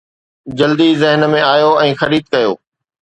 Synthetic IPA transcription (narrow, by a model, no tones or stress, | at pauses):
d͡ʑɐld̪izɪɦənmẽaːjoɛ̃ːxɐɾiːd̪̚kɐjo̰ː